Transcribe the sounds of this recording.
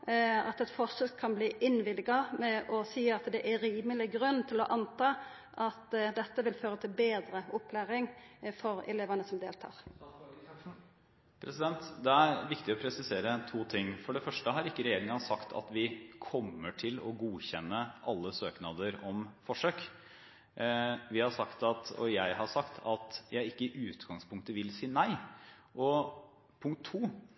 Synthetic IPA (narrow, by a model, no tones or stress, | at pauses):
ɑt̪ɛt̪fɔʂøːkʰːɑnbliːʔɪnʋɪlɡɑmɛʔɔsiːɑt̪d̪ɛʔæɾiːməlɪɡʁʉnːt̪ʰɪlɔʔɑnt̪ɑː | ʔɑt̪d̪ɛt̪ːəʋɪlføːɾət̪ʰɪlbeːd̪ɾəʔɔpʰːlæːʁɪŋfɔɾɛ̰leːʋɑnəsɔmd̪eːlt̪ʰɑ̰ːʁ | pʰɾɛsɪd̪ɛnt̪d̪ɛæɾʋɪkt̪ɪɔpʰɾɛsɪseːɾət̪ʰuːt̪ʰɪŋːfɔɖɛfœʂʈəɦɑɾɪkːəɾɛjeːɾɪŋɑsɑkt̪ʰɑ̰t̪ʋɪkʰɔmːəʈʰɪlɔɡuːçɛnːəʔɑlːəsøːknɑd̪əɾɔmfɔʂøːk | ʋɪhɑʂɑkt̪ɑt̪ɔ̰jæɪhɑʂɑkt̪ʰɑt̪jæɪɪkːəɪʔʉːt̪ɡɑŋspʰʊŋkt̪əʋɪlsiːnæɪ | ʔɔ | pʰʊŋk̚t̪ʰːuː